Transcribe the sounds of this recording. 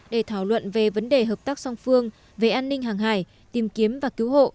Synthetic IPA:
ɗe˧˩t̪ʰaː˧˩wlwə̰˧˨nve˨˩və˨˦nɗe˨˩ɦəː˨˩p̚t̪aː˦˥k̚sɔ˧wŋ͡mfɨ˧əŋ | ve˨˩ʔaː˧nːï˧ŋ̟ɦaː˨˩ŋɦaː˧˩j | t̪i˨˩mki˨˦əmvaː˨˩ki˨˦wɦo̰˧˨ʔ

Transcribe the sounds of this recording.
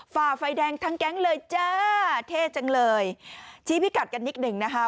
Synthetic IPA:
faː˨˩fa˧jdɛː˧ŋt̪ʰa˦˥ŋkɛ˦˥ŋlɤː˧jt͡ɕaː˧˥t̪ʰeː˧˥˩t͡ɕa˧ŋlɤː˧jt͡ɕʰiː˦˥pʰi˦˥ka˨˩t̪̚ka˧nːi˦˥k̚nɯ˨˩ŋna˦˥kʰa˦˥

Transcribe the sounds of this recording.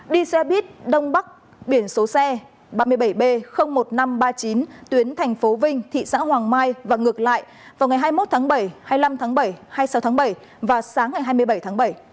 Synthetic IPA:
ɗi˧swɛ˧ɓi˦˥ət̚ɗə˧wŋ͡mɓa˦˥k̚ | ɓi˧˩ənso˨˦sɛ˧ | ɓaː˧mɨ˧əjɓə˧˩jɓe˧xə˧wŋ͡mmo˨˩t̚na˧mɓaː˧t͡ɕi˨˦nt̪wi˨˦ənt̪ʰɛ˨˩jŋ̟fo˨˦vï˧ŋ̟t̪ʰḭ˧˨sa̰ː˧˥ɦwaː˨˩ŋmaː˧jvaː˨˩ŋɨ˨˩ə˩k̚la̰ː˧˨jʔ | vaː˨˩wŋa˨˩jɦaː˧jmo˦˥t̚t̪ʰaː˨˦ŋɓə˧˩jhaː˧jla˧mt̪ʰaː˨˦ŋɓə˧˩jhaː˧jsa˨˦t̪ʰːŋɓə˧˩j | vaː˨˩saː˨˦ŋːa˨˩jɦaː˧jmɨ˧əjɓə˧˩jt̪ʰaː˨˦ŋɓə˧˩j

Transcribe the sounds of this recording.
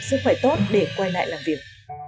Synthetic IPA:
sɨ˧k̚fə˧˩jt̪o˦˥t̚ɗe˧˩kwa˧jla̰ː˧˨jlaː˨˩mvi˨˩ək̚

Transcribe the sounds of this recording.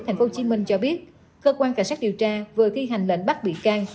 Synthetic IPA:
t̪ʰjŋ̟fo˨˦˥t͡ɕi˧˦mï˧ŋ̟t͡ɕɔ˧ɓi˦˥ət̚ | kəː˧kwaː˧nka˧˩ŋsa˦˥ɗi˨˩əwt͡ɕaː˧vɨ˨˩ət̪ʰi˧ɦa˨˩jŋ̟lḛ˧˥nɓa˦˥k̚ɓḭ˧˨kaː˧ŋ

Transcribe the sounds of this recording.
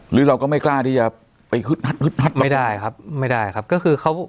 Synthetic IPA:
ɾɯː˨˦ɾa˧wkɔː˥˩ma˥˩jklaː˥˩t̪ʰiː˧˩t͡ɕaː˨˩ | pa˨˧jkʰɯ˦˥t̪̚ha˦˥t̪̚kʰɯ˦˥t̪̚na˦˥t̪̚ma˧˥˩jdaː˥˩jkʰa˦˥p̚ma˥˩jdaː˥˩jkʰa˦˥p̚kɔː˥˩kʰɯː˧kʰa˦˥w

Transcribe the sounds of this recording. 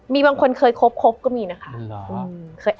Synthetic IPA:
miː˧baː˧ŋkʰo˧nkʰɤː˧jkʰo˦˥p̚kʰo˦˥p̚kɔː˥˩miː˧na˦˥kʰa˦˥˩ʔɯː˧mkʰɤː˧j

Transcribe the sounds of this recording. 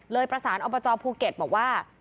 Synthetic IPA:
lɤː˧jpɾa˧saː˩˦nʔɔː˧bɔː˧t͡ɕɔː˧pʰuː˧ke˨˩t̪̚bɔː˨˩k̚waː˥˩

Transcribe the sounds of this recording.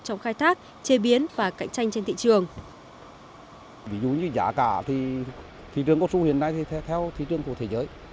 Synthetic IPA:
t͡ɕɔ˧wŋ͡mxaː˧jt̪ʰaː˦˥k̚ | t͡ɕe˧ɓi˨˦ənvaː˨˩ka̰˧˥jŋ̟t͡ɕa˧jŋ̟t͡ɕe˧nt̪ʰḭ˧˨t͡ɕɨ˨˩əŋ | vi˨˦zṵ˧˨ɲɨ˧za̰ː˧˩kaː˧˩t̪ʰi˨˩ | t̪ʰḭ˧˩t͡ɕɨ˨˩əŋkɔ˧˥su˧hi˧˨ənːa˧jt̪ʰi˨˩˧t̪ʰɛ˧wt̪ʰi˨˧˦tɨ˨˧əŋku˧˩ət̪ʰe˨˦zəː˨˦j

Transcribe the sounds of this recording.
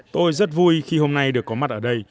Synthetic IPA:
t̪o˧jzə˦˥t̚vu˧jxi˧ho˧mna˧jɗɨ˨˩əkːɔ˨˦ma˦˥t̚ʔəː˧˩ɗə˧j

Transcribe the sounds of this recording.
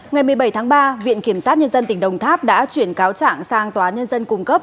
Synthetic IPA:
ŋa˨˩jmɨ˨˩əjɓə˧˩jt̪ʰaː˨˦ŋɓaː˧vḭ˧˨ənki˧˩əmsaː˦˥t̚ɲə˧nzə˧nt̪i˧˩ŋ̟ɗə˨˩wŋ͡mt̪ʰaː˦˥p̚ɗa̰ː˧˥t͡ɕwi˧˩ənkaː˨˦wt͡ɕa̰ː˧˨ŋsaː˧ŋt̪waː˨˦nɲə˧nzə˧nkʊ˧˩ŋ͡mkə˦˥p̚

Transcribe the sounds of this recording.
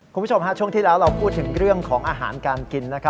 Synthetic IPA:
ku˧mʰː˦˥˩t͡ɕo˧mɦa˦˥t͡ɕʰu˥˩əŋt̪iː˥˩lɛː˦˥wɾa˧wpʰuː˥˩t̪ʰːɯ˩˦ŋɾɯ˥˩əŋkʰɔː˩˦ŋʔaː˧ɦaː˩˦nkaː˧nki˧nːa˦˥kʰa˦˥

